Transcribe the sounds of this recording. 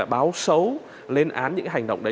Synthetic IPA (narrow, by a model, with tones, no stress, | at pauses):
aː˧˨˩jɓaː˨˦wsə˨˦w | le˧nʔaː˨˦nɲɨ̰˧˥ka˨˦˩ɦa˨˩ŋ̟ɗə̰˧˨wŋ͡mʔɗə˨˦